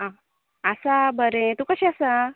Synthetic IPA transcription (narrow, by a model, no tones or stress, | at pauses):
ã | əsabəɾẽt̪ukəɕiasa